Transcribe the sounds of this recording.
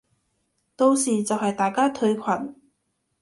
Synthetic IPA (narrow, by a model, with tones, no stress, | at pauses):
t̪o˧wsiː˨t͡sɐ˨wɦɐ˨jt̪aː˨˩jkaː˥t̪ʰɵ˧ɥkʷʰwɐ˨˩n